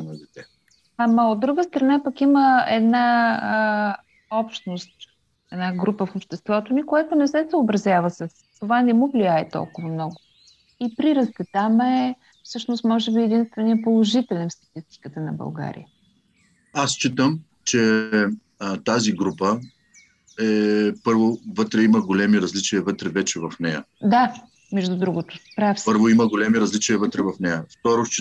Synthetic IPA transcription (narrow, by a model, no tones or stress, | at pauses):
nɐd̪ɛt̪ɛ | amɐod̪ːɾuɡəst̪ɾɐnapəkiməɛd̪na | ɔpʃnost̪ | ɛd̪naɡɾupəfopʃt̪ɛst̪vɔt̪onikojat̪ʊnɛsɛsəobɾɐzjavəsəs | t̪ovanɛmuvlijaɛt̪ɔ̰lˠkʊvəmnɔɡʊ | ipɾiɾəst̪ɛt̪amɛ | fsɤʃnost̪mɔʒɛbiɛd̪inst̪vɛnijəpolˠoʒit̪ɛlʲɛnst̪ɐ̥t̪ist̪i̥kət̪ənɐbɐ̰lˠɡa̰ɾḭjə | ast͡ʃit̪əm | t͡ʃɛ | t̪aziɡɾupə | ɛpɤɾvovɤt̪ɾɛiməɡolɛmiɾɐzlit͡ʃiəvɤt̪ɾɛvɛt͡ʃɛvɐfnɛjə̰d̪a | mɛʒd̪ʊd̪ɾuɡʊt̪ʊ̥pɾafsɤɾvoiməɡolʲɛmiɾɐzlit͡ʃiəvət̪ɾɛvɐfnɛjəft̪ɔɾot͡ʃi